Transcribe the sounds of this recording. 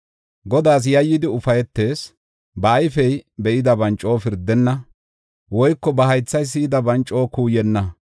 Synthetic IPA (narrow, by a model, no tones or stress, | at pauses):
ɡɔd̪aːs̬jɐjːɪd̪ɪʊfɐjɛt̪ːe̞ːs | bɐːjfɛjbɛʔɪd̪ɐbɐnt͡ʃʼo̞ːfɪɾd̪ɛnːɐ | wɔjkːɔbɐɦɐjt͡sːɐjs̬ɪɪd̪ɐbɐnt͡ʃʼːo̞ːkuːjɛnːɐ